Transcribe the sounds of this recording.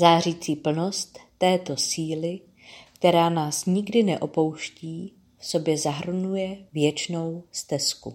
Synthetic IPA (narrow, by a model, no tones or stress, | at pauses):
zaːriːt͡siːpl̩nost̪ːɛːt̪o̞siːlɪ | kt̪ɛɾaːnaːsɲɪɡdɪnɛʔo̞po̞wʃciː | fso̞bjɛzaɦr̩nujɛvjɛt͡ʃno̞wst̪ɛskṵ